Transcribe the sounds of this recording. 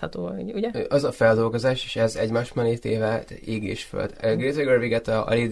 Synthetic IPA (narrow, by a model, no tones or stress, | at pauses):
ɒt̪oːouɟɛʔɒzɒfɛld̪o̞lɡo̞zaːʃe̥ːʃɛzɛɟmaːʃmɛneːt̪eːvɛeːɡḛːʃfø̰ld̪øɡret̪ɛɡørviɡɛt̪ɛɒ̰ɾid̪